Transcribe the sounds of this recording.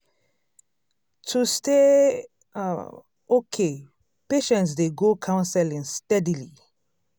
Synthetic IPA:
tʰustḛ | okʰe | peʃɛ̃ntsdeɡokʰãʊ̃nsɛlĩŋstɛdili

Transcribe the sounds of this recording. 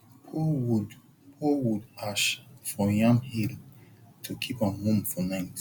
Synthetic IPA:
pʰowud | powudaʃfɹɔjãmhiltʰukʰipãnhõmfɔnãɪ̃nt

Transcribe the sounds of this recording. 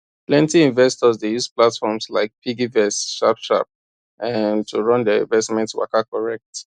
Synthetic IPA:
plɛ̃ntiĩnvɛstɔzdejuz̥platfɔmslaɪk̚pʰiɡivɛsʃapʃa̰p̚ | ãntʰuɹɔ̃ndɛḭ̃nvɛstmɛ̃ntwa̰kakɔɹɛk̚t

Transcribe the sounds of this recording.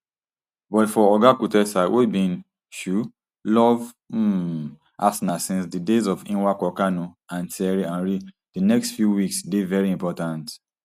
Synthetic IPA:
bɔtfɔɔɡakutɛsawʔebĩn | ʃu | lɔv̩ | asnasĩnsdidezɔfĩnwakɔkanoãntɛɹiãnɹi | d̥inɛkstfjuwiksdevɛɹiĩmpɔtãnt

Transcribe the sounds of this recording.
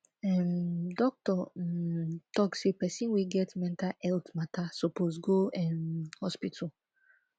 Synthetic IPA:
ɛmdɔk̚tɔ | tɔkssepɛsĩnwiɡɛtmɛ̃ntaʔɛltmatʰasoposɡoɛmhɔspitʰɔ

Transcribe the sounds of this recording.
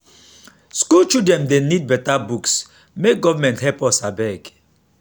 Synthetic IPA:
skult͡ʃudɛ̃mdenid̚bɛtabuks | mek̚ɡɔvamɛ̃nthɛpɔsabɛk

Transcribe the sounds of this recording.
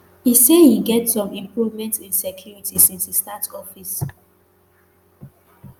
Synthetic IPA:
hisehiɡɛtsɔ̃mĩmpɹuvmɛ̃ntĩnsɛkʰjuɹitʰisĩnsistatɔfis

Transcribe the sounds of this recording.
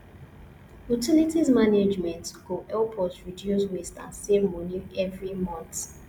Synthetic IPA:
utʰilitizmaned͡ʒmɛ̃ntɡoʔɛlpʰɔtɹidjuswestã̰nsevmɔniɛvɹimɔ̃nt

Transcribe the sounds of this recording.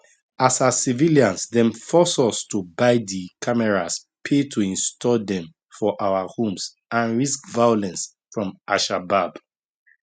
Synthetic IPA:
asasiviliãnsdɛ̃mfɔsɔstubaɪdikʰamɛɹas | pʰetʰuĩnstʰɔldɛ̃m | fɔʔawahõms | ãnɹiskvajɔlɛ̃ns | fɹɔ̃mʔaʃabab

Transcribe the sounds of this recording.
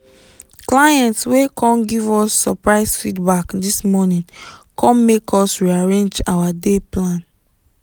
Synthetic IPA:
klajɛ̃ntswekʰɔ̃nɡivɔsːɔpɹaɪsfidbakdismɔnĩnkɔ̃nmekʰɔsɹiaɹẽnd͡ʒawadeplãn

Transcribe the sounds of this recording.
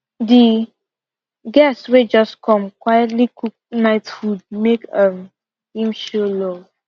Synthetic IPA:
di | ɡɛstwed͡ʒɔskʰɔ̃mkwajɔtlikuk̚naɪtfud̚mekʌm | hĩmʃolo

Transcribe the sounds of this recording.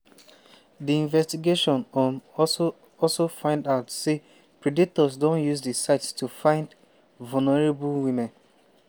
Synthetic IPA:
diĩnvɛstiɡeʃɔ̃nɔ̃nɔ | ɔlsofãɪ̃ndaʊtse | pɹedik̚tɔzdõnjuzdisaɪtstufãɪ̃nd | vulnɔɹebulwĩmɛ̃n

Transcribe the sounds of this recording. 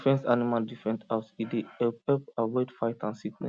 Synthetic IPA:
fɛ̃nsanimaldifɛ̃ntasideɛɛpawɛtfaɪtãnsiklɛ̰̃

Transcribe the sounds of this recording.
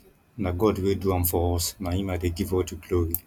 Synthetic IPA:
naɡɔdweduãmfɔɔsnajĩmadeɡivɔtuɡloɹi

